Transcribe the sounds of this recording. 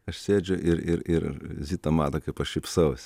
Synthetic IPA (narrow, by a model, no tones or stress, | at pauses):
ɐʃsʲeːd͡ʒʲʊʔɪɾɪɾɪɾzʲiːt̪ɐmɑːt̪ɐkɐɪpɐʃʃʲɪpʲsɐʊsʲ